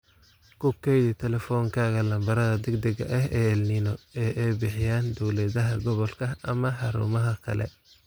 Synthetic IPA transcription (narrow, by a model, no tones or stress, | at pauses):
kʰʊkʰɛjðɪt̪ʰɛlɛfɔːŋkʰaːɣɐlɐmbɐɾɐðɐd̪ɛɡd̪ɐɡɐ̰ʔɐɦɛːɛlnɪnɔɛːʔɛjbɪħɪjaːnd̪ɔwlɛːðɐɦɐɡɔβɔlkʰɐɐmɐħɑɾṵːmɐɦɐkʰɐ̰lɛ̰